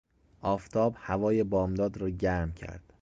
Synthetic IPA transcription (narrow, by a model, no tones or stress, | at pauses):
ʔɒːft̪ʰɒːbhævɒːjebɒːmd̪ɒːd̪ɾɒːɟæɾmcʰæ̰ɾd̪̥